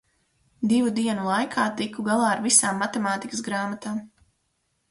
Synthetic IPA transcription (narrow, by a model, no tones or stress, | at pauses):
d̪ivud̪iɛnulˠajkʰaːt̪ikuɡalˠaːɾvisaːmːat̪ɛmaːt̪ikəsɡɾaːmat̪am